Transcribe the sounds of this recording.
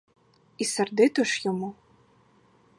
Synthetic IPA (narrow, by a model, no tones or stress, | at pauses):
isɐrd̪ɨt̪ɨʂjɔmu